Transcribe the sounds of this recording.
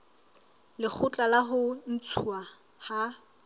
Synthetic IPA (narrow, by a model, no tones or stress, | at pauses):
lɪk͡xʰʊt͡ɬʼalaɦʊn̩t͡sʰua | ha